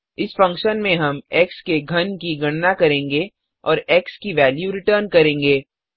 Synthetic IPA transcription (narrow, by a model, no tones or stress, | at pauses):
ɪsfɐ̃ŋkʃənmẽɦɐmɛːkskeɡʱɐnkiɡɐɽ̃nakɐɾẽːŋɡe | ɔːɾɛːkskiʋɛːljuɾɪʈəːɾnkɐɾẽːŋɡeː